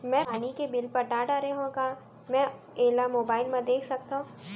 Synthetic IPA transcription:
mɛ̃aːnikebɪlpɐɾɖaːɖaɾeɦõka | mɛ̃ | eːlamoːbaːɪlmẽd̪eːkʰsɐk̚t̪aɦũː

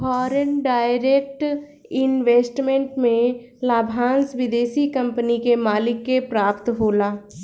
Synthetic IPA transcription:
fʰɔːɾənɖaːɪɾeːk̚ʈ | ɪnʋeːsʈmẽɳʈmẽ | laːbʱãːnsʋɪd̪eːʃikə̃mpənikemaːlɪkːepɾaːpt̪ɦoːlaː

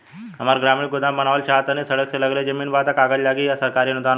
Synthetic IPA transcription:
ɦɐmaːɾɡɾaːmɪ̃ɽɡʊd̪ãbɐnaːʋəlʃaːt̪ənesɐɽəkselɐɡɾɐed͡ʒɐmiːnbaːt̪ɐkaːɡəlaːɡijasɐɾkaːɾinʊd̪aːn

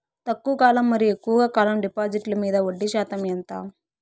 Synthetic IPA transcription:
t̪ɐkːuʋɐkaːlɐmːɐɾiekːuʋɐɡakaːlɐmɖipaːd͡ʒiʈlɐmiːd̪ɐʋoɖːiʃaːt̪ɐmjɐnt̪a

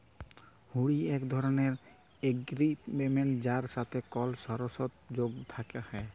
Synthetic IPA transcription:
huɽiɛkd̪ʱɔɾɔneɾ | eɡɾipmemeɳʈd͡ʒaɾsat̪ʰekɔlsɔɾɔsɔt̪̚d͡ʒoɡt̪ʰakehɔ

